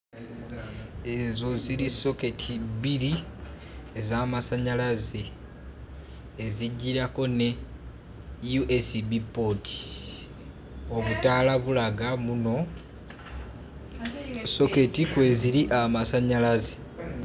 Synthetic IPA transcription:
e̞zo̞ziɾiso̞ketʰiβiɾi | ezaːmasaɲalaze | ziɟːiɾako̞ne̞ | juʔesibipo̞tʰi̥ | o̞βutaːlaβulaɡamuno̞ | so̞ke̞tikwe̞ziɾiʔamasaɲalaze̥

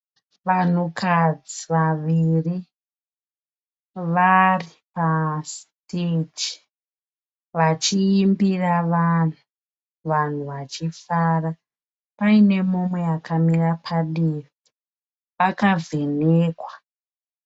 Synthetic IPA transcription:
ʋan̤ukad͡ziʋaʋiri | ʋari | pasted͡ʒi | ʋat͡ʃiːmbiraʋan̤u | ʋan̤uʋat͡ʃifaːra | paine̞momwe̞jakʰamirapʰaɗeːri | ʋakave̞neːkwa

